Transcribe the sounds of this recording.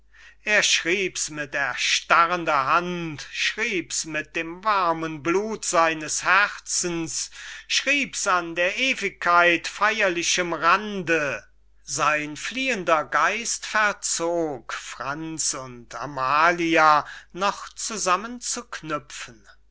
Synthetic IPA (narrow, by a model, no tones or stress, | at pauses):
ʔeːɐʃʁ̥iːpsmɪtɛɐʃtaʁəndɐɦantʃʁ̥iːpsmɪt̚d̥eːmvaɐmənbluːtz̥aɪnəshɛʁt͡sn̩sʃʁ̥iːpsandeːɐʔeːvɪkʰːaɪtfajɐlɪʃəmʁandə | zaɪnfliːəndɐɡaɪstfɛɐt͡soːkfʁ̥ant͡sʊntʰa̰maːlianɔχt͡suzamənt͡suknʏfən̩